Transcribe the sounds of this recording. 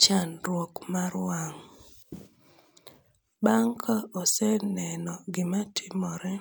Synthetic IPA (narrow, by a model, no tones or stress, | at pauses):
t͡ʃanɾwɔkmaɾwaŋ | baŋkʰaɔsɛnɛnɔɡɪmatʰɪmɔɾɛ